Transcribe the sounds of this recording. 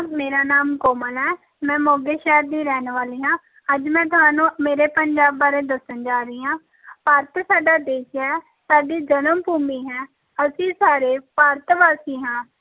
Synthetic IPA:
meːɾaːnaːmkoːməlɛː | mɛ̃ːmoːɡeːʃɛːɾd̪iːɾɛːnʋaːliːɦãː | əd͡ʒmɛ̃ːt̪ʊɦãːnũːmeːɾeːpəɲd͡ʒaːbaːɾeːd̪əsənd͡ʒaːɾəiːɦãː | paːɾt̪saːɖaːd̪eːʃɛː | saːɖiːd͡ʒənəmbuːmiːɦɛː | əsĩːsaːɾeːpaːɾt̪ʋaːsiːɦãː

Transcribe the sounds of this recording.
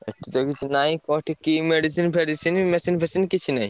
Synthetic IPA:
ḛk̚ʈʰit̪okit͡ʃʰunajkɔʈʰikimeɖisinpʰeɖisinmesinpʰesinkit͡ɕʰunaj

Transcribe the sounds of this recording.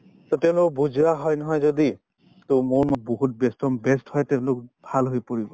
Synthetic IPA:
tɔteʊ̃lʊkbuzɹaɦɔjnɔɦɔjzodi | tomoɹmɔboɦut̚bɛstɔmbɛsthɔjteʊ̃lʊk̚bʱalɦojpoɹibɔ

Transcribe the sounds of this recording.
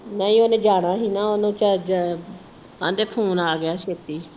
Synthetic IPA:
naːĩːoːnẽːd͡ʒaːɽ̃ãːɦiːnaːoːnõːt͡ʃəd͡ʒ | ã̰ːnd̪eːpʰoːnaːɡɪjaːʃeːt̪iː

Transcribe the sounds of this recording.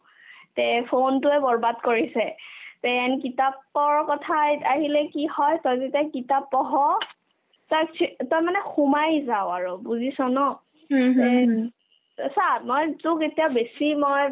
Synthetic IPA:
tɛpʰontʊɛbɔɹbadkoɹisɛtɛanikitapːɔɹkɔtʰajaɦilɛkihɔjtɔjzetiakitapːɔɦɔ | tɔjʰtɔjmanɛxumajzaʊaɹobuzisɔnɔ | ɛ | samɔjtʊketijabesimɔj

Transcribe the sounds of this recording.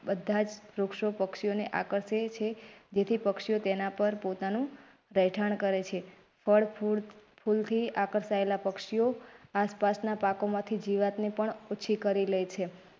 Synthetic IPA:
bəd̪ʱːad͡ʒɾukʃopəkʃijoneʔa̰kəɾset͡ʃʰed͡ʒet̪ʰipəkʃijot̪enapəɾpot̪anũ | ɾəjʈʰaɳkəɾet͡ʃʰe | fəɭ | pʰult̪ʰiakəɾsaelapəkʃijoaspasnapakomãt̪ʰid͡ʒiʋat̪nepəɳot͡ʃʰikəɾilət͡ʃʰe

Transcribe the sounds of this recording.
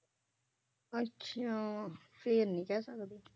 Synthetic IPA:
ətːʃʰãfeːɾnĩkɛsəkd̪e

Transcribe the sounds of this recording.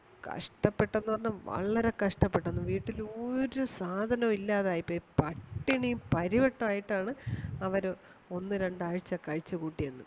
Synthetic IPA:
kɐ̰ʂʈɐpːe̞ʈːenːupɐrɐɲːɐʋɐ̰ɭːɐɾekɐʂʈɐpːe̞ʈːenːuʋiːʈːiloːɾusaːd̪ʱɐnɐmilːaːðaːjipːoːpɐʈːiɳijumpɐɾiʋɐʈːɐaːjiʈːaːɳɨɐʋɐɾ | o̞nːɨɾe̞ɳɖaːɻit͡ɕːɐkɐɻit͡ɕːɨkuːʈːijɐnːṵ

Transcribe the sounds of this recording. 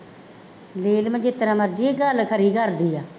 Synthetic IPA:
leːlmə̃d͡ʒɪt̪ɾãːməɾd͡ʒiːeɡəlkʰəɾiːkəɾd̪iːaː

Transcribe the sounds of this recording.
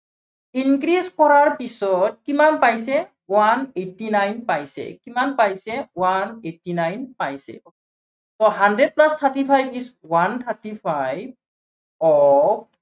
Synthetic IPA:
inkɹizkɔɹaɹpisɔt̚kimanpajsɛ | wanetinajnpajsɛ̰kimanpajsɛwanetːinajnpajsɛ̰ | tɔɦandɹed̚plast̪ʰatipʰajbiswant̪ʰatipʰajb̚ | ɔ

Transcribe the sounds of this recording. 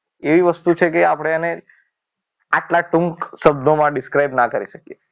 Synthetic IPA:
eʋiʋəst̪ut͡ʃʰekeapɽ̃eəne | aʈlaʈuŋksəbd̪omãɖɪskɾajbnakəɾiʃəkijet͡ʃʰe̥

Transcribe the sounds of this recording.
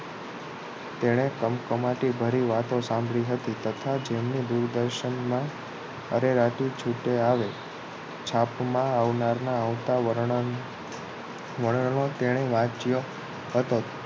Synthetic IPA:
t̪eɽ̃ekəmkəmaʈibʱəɾiʋat̪osãmbʱɭiɦət̪it̪ət̪ʰad͡ʒemnid̪uɾd̪əɾʃənmã | əɾeɾaʈit͡ʃʰuʈeaʋe | t͡ʃʰapmãaʋnaɾnaːʋt̪aə | ʋəɽnot̪eɽ̃eʋãt͡ʃjo | ɦət̪o

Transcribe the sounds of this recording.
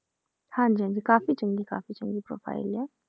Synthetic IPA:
hãnd͡ʒiɦãnd͡ʒikaːfit͡ʃʊŋɡika̰ːfit͡ʃʊ̃ŋɡipɾo̰ːpʰa̰ːɪ̰lɛ

